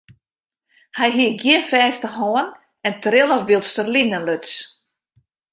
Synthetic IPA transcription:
hɛjɦiəɡjɪnfɛːstəhɦɔən | ɛntrɪlˠəʋilˠstərlinənløts

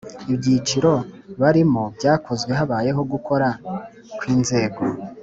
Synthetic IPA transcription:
ibɟiːt͡ʃiɾo̞βaɾimobɟaːkʰo̞zɡwe̞ɦaβaːje̞ɦo̞ɡukʰo̞ɾa | kwiːnze̞ːɡo̞

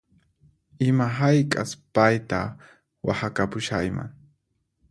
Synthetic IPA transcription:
ɪmaɦajkʼaspajt̪a̰ | wa̰hakapʊʃajma̰ŋ

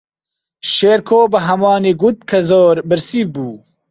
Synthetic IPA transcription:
ʃeːɾkʰoːbəɦɐmɑːniɡut̪̚kʰɐzoːɾbɨɾsivbuː

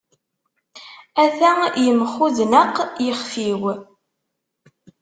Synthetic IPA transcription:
æθæjəmχuðnəqjəχfiw

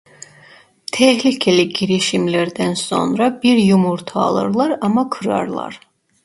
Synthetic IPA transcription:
t̪ʰɛhlicʰeliɟiɾiʃimlæɾd̪ænso̞̰nɾɑbiɾjumuɾt̪ʰɑ̰ːlˠɯ̰ɾlˠɑɾɑmɑkʰɯɾɑ̰ɾlˠɑ̰ɾ

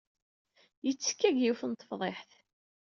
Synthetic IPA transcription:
jət͡sːkːæɡjiwfənt̪ˤːə̥fðˤeħθ

